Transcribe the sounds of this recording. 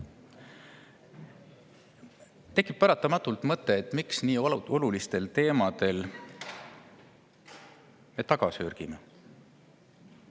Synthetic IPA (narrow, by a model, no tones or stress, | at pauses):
t̪e̞kːˑip̚ːæɾɑt̪ːˑɑmɑt̪ːˑult̪mɤt̪ːˑe̞ːt̪ˑmiksniːo̞lulist̪e̞lt̪e̞ːmɑd̪e̞l | me̞t̪ɑɡ̥ɑsøɾɡ̥ime